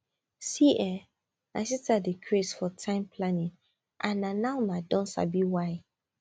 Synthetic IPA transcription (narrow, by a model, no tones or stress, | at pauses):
siʔɛ | nasitadikʰɹesfɔtʰãɪ̃mpʰlanĩn | ʔãnːãnawnadɔ̃nsa̰biwaɪ